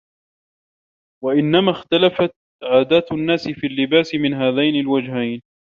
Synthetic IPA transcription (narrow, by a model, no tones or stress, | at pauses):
waʔɪnːamaːxt̪alafat̪̚ | ʕaːd̪aːt̪anːaːsɪfiːlːɪbaːsɪmɪnɦaːðajnalwad͡ʒɦajn